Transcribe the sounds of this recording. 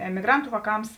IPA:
ɛmʲɪˈɡrɐntʊ ʋɑːˈkɐms

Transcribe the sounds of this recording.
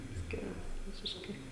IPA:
ˈsʲkʲɪrɐs ˈʋʲɪsʲɪʃkɐɪ

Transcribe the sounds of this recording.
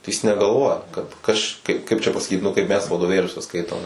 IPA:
tɐɪ jɪs nʲɛɡɐlˠˈʋoːjɛ kɐt ˈɐʃ kɐɪp ˈkɐɪp t͡ʃʲɛ pɐsɐˈkʲiːt nʊ ˈkɐɪp ˈmʲɛs ʋɐdoːˈʋʲeːlʲuɔsʲɛ ˈskɐɪtoːm

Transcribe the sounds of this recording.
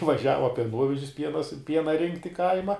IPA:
ʋɐˈʒʲæːʋɐ pʲiɛˈnuɔʋʲɛʒʲɪs ˈpʲiɛnɐ sʊ ˈpʲiɛnɐ ˈrʲɪŋktʲ ɪ ˈkɐɪmɐ

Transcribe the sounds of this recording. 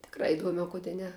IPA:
tʲɪkˈrɐ ɪˈduɔmʲɛ oː ˈkʊdʲɛ ˈnʲɛ

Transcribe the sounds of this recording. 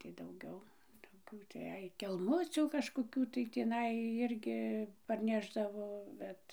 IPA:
tɐɪ dɐʊˈɡʲɛʊ toːˈkʲuː tɐɪ ˈɐɪ kʲɛlˠˈmʊt͡sʲuː kɐʃkoːˈkʲuː tɐɪ tʲiːˈnɐɪ ˈɪrʲɡʲɪ pɐrʲˈnʲæːʒdɐʋoː ˈbʲɛt

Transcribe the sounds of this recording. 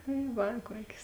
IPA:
tɐɪ ˈʋɐ ˈkuɔkʲeːs

